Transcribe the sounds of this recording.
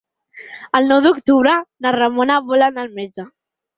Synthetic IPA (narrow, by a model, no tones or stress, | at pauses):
əlnɔwd̪ukt̪uβɾənarəmonaβolanalmed͡ʒa